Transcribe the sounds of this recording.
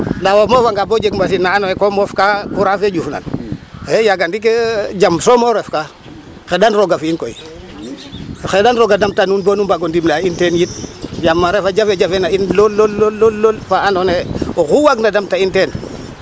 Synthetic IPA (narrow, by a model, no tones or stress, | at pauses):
ndawomofaŋɡabod͡ʒeɡmbasinaanoekomofkakuɾafed͡ʒufna̰nejaɡandiked͡ʒamsomoɾefka | xedanɾoɡafiinkoi | xedanɾoɡadamtanunbonumbaɡondimlaintenjit̚d͡ʒamːaɾefad͡ʒafed͡ʒafenainlolːolːoolːolfaanoneoxuwaɡnadamtainten